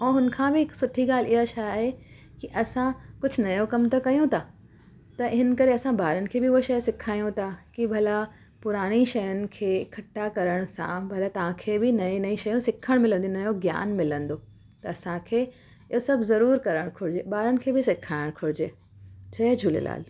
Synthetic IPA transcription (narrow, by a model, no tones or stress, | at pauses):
ɛ̃ːɦʊnkʰãːbɪɪksʊʈʰiɡaːlɪɦaʃajaːɦe | kiʔɐsãkʊd͡ʑʱʊnɐjokɐmt̪ɐkɐjũt̪ʰaː | t̪ɐɦɪnkɐɾeɐsãbaːɾənɪ̆kʰeːbɪʊoʃɐjsɪkʰaːijũt̪ʰakibʱɐla | pʊɾaːɽ̃iʃɐjənɪ̆kʰeːkʰɐʈːakɐɾəɽ̃sã̰bʱɐlat̪ɐʋãkʰeːbɪnɐĩnɐĩʃɐjũsɪkʰəɽ̃mɪlə̃nd̪iũnɐjoɡja̰ːnmɪlə̃nd̪o | t̪ɐɐsãkʰeː | ɪɦosɐbʱzɐɾuːɾkɐɾəɽ̃kʰʊɽɪd͡ʑeːbaːɾənɪ̆kʰeːbʱɪsɪkʰaːɪɽ̃kʰʊɽɪd͡ʑeː | d͡ʑɐd͡ʑʱuːlḛla̰ːl